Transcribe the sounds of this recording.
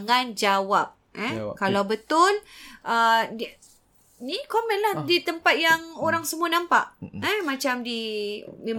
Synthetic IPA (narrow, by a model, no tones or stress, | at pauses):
ŋand͡ʒawap̚ɛkalawbət̪ʊləd | nikomɛ̃nlahdit̪əmpat̪̚jaŋoɾaŋsəmuanãmpa̰ʔɛmat͡ʃamdimẽm